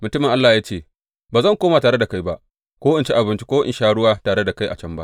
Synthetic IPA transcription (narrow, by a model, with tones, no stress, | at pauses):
mʊ˨tʊ˦mɪ˨ŋʔa˦lːaː˨jaː˦t͡ʃeː˦˨ | baː˨zɐ˦ŋkʷoː˦ma˨taː˨ɽe˦da˨ka˦jba˦ʔ | kʷoː˦ʔɪ˨nt͡ʃi˦ʔa˨bɪ˨˦nt͡ʃi̥˦kʷo˦ʔɪ̰˨ʃaː˦ɽʊ˦waː˦taː˨ɽe˦da˨ka˦jʔa̰˨t͡ʃɐ˦mba̰˦